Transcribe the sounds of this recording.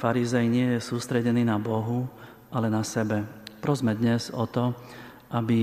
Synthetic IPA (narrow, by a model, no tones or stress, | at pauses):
faɾizɛjɲɪɛjɛsuːst̪ɾɛɟɛniːnabɔɦu | ʔalɛnasɛbɛpɾɔzmɛd̪ɲɛz̥ɔt̪ɔ | ʔabi